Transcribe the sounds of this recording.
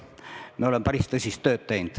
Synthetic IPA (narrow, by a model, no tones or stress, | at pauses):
mieolempærist̪ɤsʲist̪ːøːt̪t̪eind̪̥